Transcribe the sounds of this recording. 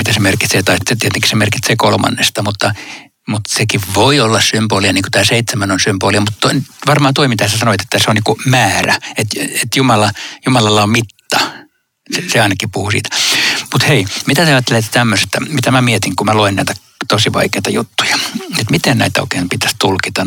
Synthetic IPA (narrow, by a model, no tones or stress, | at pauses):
mit̪æsemerkit̪set̪ɑit̪et̪iet̪eŋki̥semerkit̪sekolmɑ̰nːest̪ɑmut̪ːɑ | mut̪sekiʋʋoiolːɑssymboːliɑniːŋku̥t̪æːseit̪semænonsymboːliɑmut̪t̪onʋɑrmɑhːnt̪oimit̪æhsesɑnoit̪e̥t̪ːæseonniːkumæːræet̪et̪jumɑlɑjumɑlɑlːɑommit̪ːɑ | seseɑinɑkipuhusḭːt̪æ̥mut̪heimit̪æt̪eɑjɑt̪ːelet̪ːt̪æmːøset̪æmit̪æmæmiet̪iŋkumæloinnæ̰ˑit̪æ | t̪osiʋɑ̰ikeit̪ɑjut̪ːu̥jɑ̥et̪mit̪ennæ̰it̪æo̰ikeːmpit̪æ̥st̪ulkit̪ɑ